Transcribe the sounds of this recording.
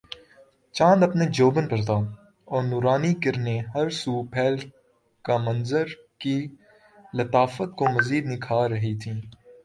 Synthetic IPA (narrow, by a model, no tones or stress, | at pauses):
t͡ʃãːnd̪ɐpned͡ʒoːbənpɐɾt̪aː | ɔːɾnuːɾaːnikɐɾneɦɐɾsuːpʰɛːl | kamɐnzəɾ | ki | lɐt̪aːfət̪̚komɐziːd̪nɪkʰaːɾɐɦit̪ʰĩː